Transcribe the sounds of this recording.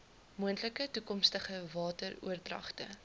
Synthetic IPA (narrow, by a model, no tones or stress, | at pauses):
muəntləkətukɔmstəχəvɑːtərṵərdrɐ̰χtə̰